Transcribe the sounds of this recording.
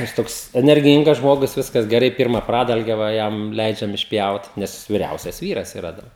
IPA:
jɪs ˈtoːks ɛnʲɛrʲˈɡʲiːŋɡɐs ˈʒmoːɡʊs ˈʋʲɪskɐs ɡʲɛˈrɐɪ ˈpʲiːrmɐ ˈprɑːdɐlʲɡʲɛ ʋɐ ˈjɛm ˈlʲɛɪd͡ʒʲɛm ɪʃʲˈpʲjɛʊt ˈnʲɛs ʋʲɪˈrʲɛʊsʲɛs ˈʋʲiːrɐs ɪˈrɐ dɐr

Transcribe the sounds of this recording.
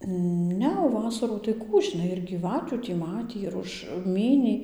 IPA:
ˈnʲɛ oː ˈʋɑːsɐruː tɐɪ ˈkuː ʒʲɪˈnɐɪ ɪr ɡʲiːˈʋɑːtʲuː tʲiː ˈmɑːtʲiː ɪr ˈʊʃ ˈmʲiːnʲiː

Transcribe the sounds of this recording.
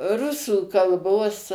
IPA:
ˈrʊsuː kɐlˠˈboːs

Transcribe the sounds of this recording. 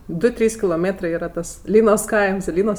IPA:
ˈdʊ ˈtʲrʲiːs kʲɪlˠoːˈmʲeːtrɜ ˈiːrɐ tɐs ˈlʲiːnoːs ˈkɐɪms ɪ ˈlʲiːnoːs

